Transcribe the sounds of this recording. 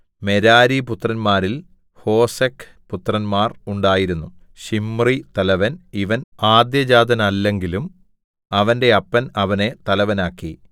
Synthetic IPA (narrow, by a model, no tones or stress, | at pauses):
me̞ɾaːɾiput̪rɐnmaːɾil | ho̞ːsɐkʰː | put̪rɐnmaːruɳɖaːjiɾunːu | ɕimːrit̪ɐlɐʋɐniʋɐnaːd̪jɐd͡ʑaːd̪ʱɐnɐːlːe̞ŋɡilum | ɐʋɐnde̞ɐpːɐnɐʋɐne̞t̪ɐlɐʋɐnaːkːi